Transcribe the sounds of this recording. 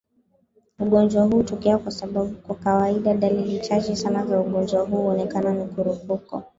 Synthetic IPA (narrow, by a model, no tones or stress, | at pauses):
uɠɔnd͡ʒwaɦuːtɔkɛakwasaɓaɓukwakawaiɗaɗalilit͡ʃat͡ʃɛsanazauɠɔnd͡ʒwaɦuːɔnɛkananikuɾupukɔ̰